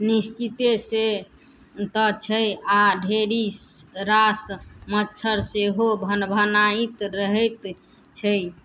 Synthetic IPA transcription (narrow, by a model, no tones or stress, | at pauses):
nist͡ʃit̪ese | t̪ət͡ʃʰəaɖʱeɾisɾasmətːt͡ʃʰəɾseɦobʱənbʱənait̪ɾəɦɛjt̪ | t͡ʃʰəj